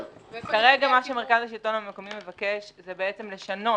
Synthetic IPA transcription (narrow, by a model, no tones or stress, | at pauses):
kaʁeɡamaʃeme̞ʁkazaʃ̬ilto̞nameko̞mimːe̞vakeʃzebeet͡semle̞ʃano̞